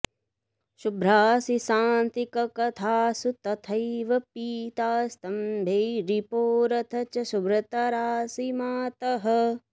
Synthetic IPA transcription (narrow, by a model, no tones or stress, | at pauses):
ʃubɾaːsisaːnt̪ikɐkɐt̪ʰaːsut̪ɐt̪ʰɐjʋɐpiːt̪aːst̪ɐmbʱejɾipoːɾɐt̪ʰɐt͡ʃɐʃubɾɐt̪ɐɾaːsimaːt̪ɐɦɐ